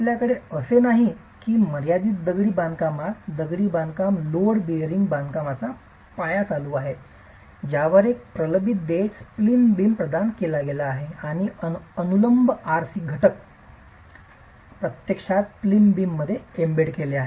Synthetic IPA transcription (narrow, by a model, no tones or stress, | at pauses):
apljakəɽeəsenaɦi | kiːməɾjad̪iːt̪d̪əɡɽiːband̪kamat̪d̪əɡɽiːband̪kamloɽbiɾiŋɡbãnd̪kamat͡sa | pajat͡saluaɦe | d͡ʑjaʋəɾek̚pɾələbit̪̚d̪esplinbiːmpɾəd̪ankelaɡelaːɦeaɽ̃iənuləmbaɾsiːɡʱəʈək̚ | pɾət̪jəkʂat̪̚plimbiːmːəd̪ʱːjeembeɽkeleaɦe